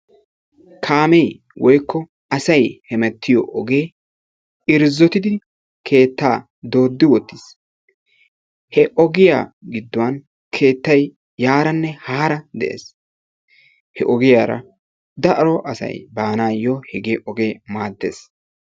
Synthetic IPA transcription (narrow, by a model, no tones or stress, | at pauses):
kʰaːmɛj | wɔjkːɔ | ɐsɐjhɛmɛt̪ːɪjɔʔɔɡeː | ɪɾzːɔt̪ɪd̪ɪ | kʰe̞ːt̪ːaː | d̪o̞ːd̪ːɪwɔt̪ːɪs | hɛʔɔɡɪja̰ːɡɪd̪ːɔwɐn | kʰe̞ːt̪ːɐj | jaːɾɐnːɛhaːɾɐd̪ɛʔḛːs | hɛʔɔɡɪjaːɾɐ̰ | d̪ɐʔɐɾɔʔɐsɐ̰jbaːnaːjɔhɪɡeːʔɔɡe̞ːmaːd̪ːḛːs